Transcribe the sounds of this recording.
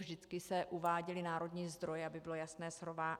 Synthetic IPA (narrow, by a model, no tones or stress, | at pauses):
vʒdɪt͡skɪsɛʔuvaːɟɛlɪnaːɾo̞dɲiːzd̪ɾo̞jɛabɪbɪlo̞jasnɛːsɦɾovaː